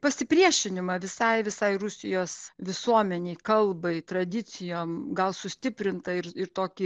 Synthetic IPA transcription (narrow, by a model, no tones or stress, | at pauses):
pɐsʲɪpʲɾʲiɛʃʲɪnʲɪmɐʋʲɪsɐɪʋʲɪsɐɪrʊsʲɪjoːsʋʲɪsuɔmʲɛnʲɛɪkɐlˠbɐɪt̪ɾɐd̪ʲɪsʲɪjoːmɡɐlˠsʊsʲt̪ʲɪpʲɾʲɪnt̪ɐɪɾɪɾt̪oːkʲɪ